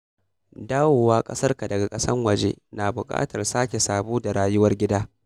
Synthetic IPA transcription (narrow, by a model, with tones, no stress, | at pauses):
daː˦woː˨waː˦kʼɐ˦sɐ˦rka˨dɐ˨ɡa˨kʼɐ˦sɐ˦rwɐ˨d͡ʒḛː˦naː˨bʊ˨kʼa̰ː˦tɐ˨rsaː˦kʲe˨saː˨boː˦da˨ɽaː˨jʊ˦wɐ˦rɡʲɪ˦daː˦